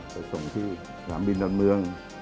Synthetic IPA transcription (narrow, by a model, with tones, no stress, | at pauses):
pʰa˨˧˩jso˨˩ŋt̪ʰiː˥˩ | sʰaː˩˦mbi˧ndɔ˧nmɯ˧əŋ